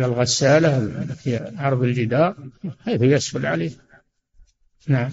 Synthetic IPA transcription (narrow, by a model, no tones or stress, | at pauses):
lalɣɑsaːlahfiʕɑɾˤðˤɪld͡ʒɪd̪ɑːɾˤkeːθjasfʊlʕaleːh | naʕam